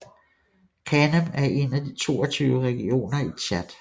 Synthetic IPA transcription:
kʰænəmæɐʔe̝næd̥it͡sʰo̝̰ːɒt͡sʰyːʊəʁɛɡ̥io̝̰ːnɐiɕʰæd̥

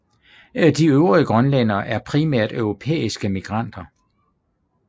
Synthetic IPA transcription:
æd̥iøʊʁiəɡ̥ʁɒnlenɐʔæɐpʰʁimæɐ̰d̥œʊʁo̝pʰḛːisɡ̥əmiɡ̥ʁɑ̈n̰d̥ɐ

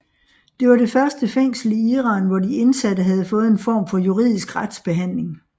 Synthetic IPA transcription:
d̥e̝ʋɑ̈ɾ̥e̝fɶɐsd̥əfeŋ̰sl̩iiːʁɑ̈ːnʋɒdie̝nsæd̥əɦæð̞̩ˠfɔ̽ːð̞̩ˠe̝nfɒ̰ːmfɒ̽juʁḭð̞̰ˠisɡ̥ʁad̥sb̥e̝ɦæn̰le̝ŋ

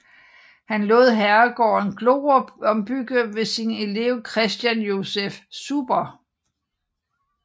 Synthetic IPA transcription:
hænlɔ̰̽ːð̰ˠɦæɐɡ̥ɒ̰ːe̝nɡ̥lo̝ːɒ̽mb̥yɡ̥əʋe̝sine̝le̝ʊkʰʁɛsd̥jænjo̝sefsub̥ɐ

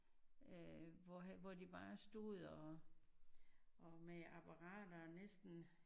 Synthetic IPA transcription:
øʋɒɦʋɒd̥ib̥ɑ̈ːsd̥uð̩ˠɒ | ɒmeɑb̥ʰɑʁɑ̰̈ːd̥ɐnesd̥n̩

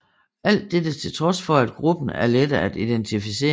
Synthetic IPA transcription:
ʔæl̰d̥ːed̥ət͡sʰe̝lt͡sʰʁɒ̽sfɒ̽æd̥̚ɡ̥ʁub̥n̩æɐled̥ɐæd̥id̥ent͡sʰifise̝̰ː

